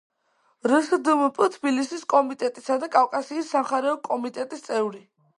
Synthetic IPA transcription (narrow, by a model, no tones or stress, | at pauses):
ɾəsd̪ɨmpʼt̪ʰbilisiskʼɔmit̪ʼɛt̪ʼisad̪akʼafkʼasiːsːamχaɾɛɔkʼɔmit̪ʼɛt̪ʼist̪sʼɛvɾi